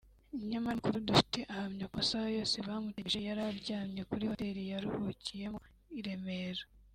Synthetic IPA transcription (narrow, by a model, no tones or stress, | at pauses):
iɲamakuɾudufi̥te̞ʔahamɲakosaojo̞ːse̞βamuteʒe̞jaɾaɾɟaːmɲe̞kuɾiβateɾijaɾuhucije̞mo | iɾe̞me̞ɾḁ